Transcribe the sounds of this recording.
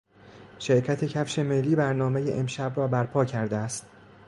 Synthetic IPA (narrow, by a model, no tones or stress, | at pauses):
ʃe̞ɾcʰæt̪ʰe̞cʰæfʃe̞melːiːbæɾnɒːmejḛʔemʃæbɾɒːbæɾpʰɒːcʰæɾd̪eæst̪